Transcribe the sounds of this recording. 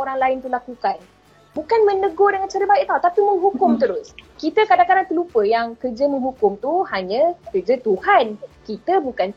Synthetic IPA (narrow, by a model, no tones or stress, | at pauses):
oɾaŋlaɪnt̪ulakukan | bukanmə̃nəɡodəŋant͡ʃaɾəbaɛʔ̚t̪awt̪apimə̃ŋɦukʊmt̪əɾʊskit̪əkadaŋkadant̪əlupəjaŋkərd͡ʒəmə̃ŋɦukʊmt̪uhaɲə̃kərd͡ʒət̪uhankit̪əbukan